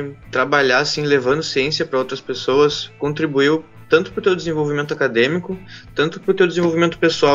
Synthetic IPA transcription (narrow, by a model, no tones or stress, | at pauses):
t̪ɾabaʎasĩlevɐ̃nd̪ʊsiẽsiɐpɾɐowt̪ɾɐspesoɐskõnt̪ɾibuiw | t̪ɐ̃nt̪ʊ̥pɾʊt̪ewd̪ezẽvowvimẽnt̪ʊakad̪ẽmikʊt̪ɐ̃nt̪ʊpɾʊt̪ewd̪ezẽvowvimẽnt̪ʊ̥pesuaw